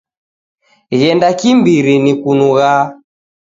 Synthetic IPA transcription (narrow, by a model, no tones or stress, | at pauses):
ɣɛndakimbiɾinikunuɣa